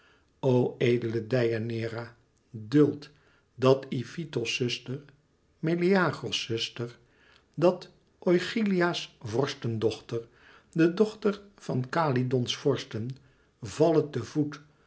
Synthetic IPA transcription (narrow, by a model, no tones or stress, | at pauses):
oweːdələdɛjanɪːra | dɵlˠt | dɑtifitosɵstəɹ | meliaːχosɵstəɹ | dɑt | ojχiliaːsvɔɹstəndɔχtəɹ | dədɔχtəɹv̥ɑnkaːlidɔnsfɔɹstən | vɑlətəvut